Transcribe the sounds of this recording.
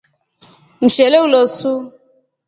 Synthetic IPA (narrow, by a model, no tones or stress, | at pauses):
n̩ʃeleulosu